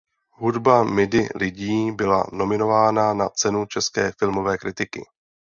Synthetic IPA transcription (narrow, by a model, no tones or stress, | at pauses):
ɦudbamɪdɪlʔɪɟiːbɪla̰no̞mɪno̞vaːnanat͡sɛnut͡ʃɛskɛːfɪlmo̞vɛːkɾɪt̪ɪkɪ̰